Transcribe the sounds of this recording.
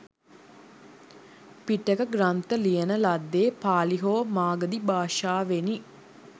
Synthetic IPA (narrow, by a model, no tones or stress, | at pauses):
piʈːekəɡɾant̪əlijənəlad̪ːeːpaːliɦoːmaːɡəd̪ibaːʃaːʋeni